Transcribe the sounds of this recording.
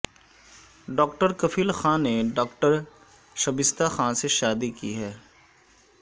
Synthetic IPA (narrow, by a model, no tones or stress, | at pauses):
ɖɔːkʈəɾkɐfiːlxãːneɖɔːkʈəɾ | ʃɐbɪst̪axãːseʃaːd̪ikiɦɛː